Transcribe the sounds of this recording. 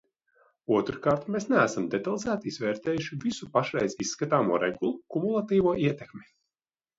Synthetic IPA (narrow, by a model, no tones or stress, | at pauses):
uɔt̪ɾukaːɾt̪mesnææsamd̪ɛt̪alˠizæːt̪iizvɛːɾt̪ɛːjuʃivisupaʃɾɛjzisːkat̪aːmuɔːɾɛ̰ɡulˠukumulˠat̪iːvuɔʔiɛt̪ekmʲi